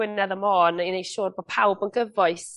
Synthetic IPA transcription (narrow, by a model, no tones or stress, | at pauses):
ɪnɛðəmɔːninejʃoːrboːd̥̚pʰawbənɡəvɔɨθ